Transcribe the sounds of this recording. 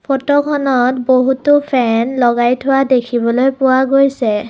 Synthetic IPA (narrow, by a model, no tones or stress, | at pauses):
pʰɔtɔkʰɔnɔtboɦutʊpʰɛnlɔɡajtʰʊwadekʰibɔlojpʊwaɡojsɛ